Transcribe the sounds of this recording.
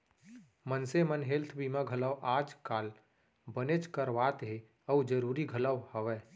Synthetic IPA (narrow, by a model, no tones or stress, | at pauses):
mənsemənɦelt̪ʰbʱimãɡʱələwʔaːd͡ʒkaːl | bənet͡ʃkəɾʋaːt̪ɦe | əud͡ʒəɾuːɾiɡʱələwhəʋɛː